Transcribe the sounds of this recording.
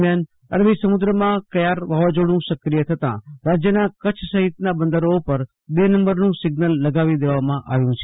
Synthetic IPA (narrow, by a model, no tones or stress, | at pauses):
mjaːn | əɾʋisəmʊd̪ɾəmãkəjaɾʋaʋad͡ʒoɽ̃ũsəkɾijət̪ʰət̪ã̰ɾad͡ʒjənakət͡ʃʰsəɦɪt̪nabə̃nd̪əɾopəɾ | b̪enəmbəɾnũsɪɡnəlːəɡaːʋid̪eʋamãʔʔaʋjũt͡ʃʰe